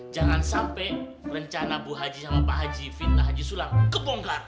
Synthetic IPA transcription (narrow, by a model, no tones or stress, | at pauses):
d͡ʒaŋansampɛ | rəɲt͡ʃanabuɦad͡ʒisamapaɦad͡ʒifit̪̚naɦad͡ʒisulaŋkəbɔŋɡar